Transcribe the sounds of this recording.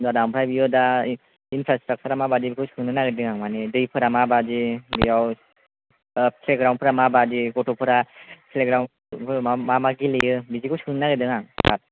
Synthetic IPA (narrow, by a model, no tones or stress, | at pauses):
dadampʰɾajbijɔda | inpʰɾastɾak̚t͡ʃʰəɾamabadibikʰɯwskʰɯŋnɯnaɡɯdɯŋaŋmanedɯjpʰɯɾamabadibijaw | pʰleɡɾawnpʰɯɾamabadiɡɔtɔpʰɯɾapʰleɡɾawnʰ | mamaɡilejɯbizikʰɯwskʰɯŋnɯnaɡɯdɯŋaŋa̰t̚